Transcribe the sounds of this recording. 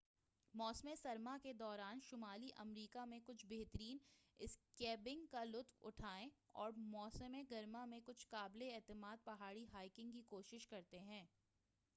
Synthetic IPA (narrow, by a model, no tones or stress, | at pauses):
mɔːsmẽsɐɾmaked̪ɔːɾaːnʃʊmaːliʔɐ̰mɾiːkamẽkʊt͡ʃʰbeɦt̪əɾiːnɪskɛːbɪ̃ŋɡkalʊt̪wʊ̰ʈʰaːẽɔ̰ːɾmɔːsəmẽɡɐɾmamẽkʊt͡ʃʰkaːbleɛːt̪ɪmaːd̪̚pɐɦaːɽiɦaːɪkɪ̃ŋɡkikoːʃɪʃkɐɾt̪eɦɛ̃ː